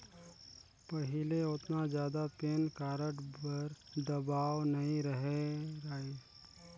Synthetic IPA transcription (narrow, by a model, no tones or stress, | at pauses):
pɐɦɪleʊt̪nad͡ʒjaːd̪apeːnkaːɾəʈbɐɾd̪ɐbaːʋnɐɦĩɾəɦeɾaːif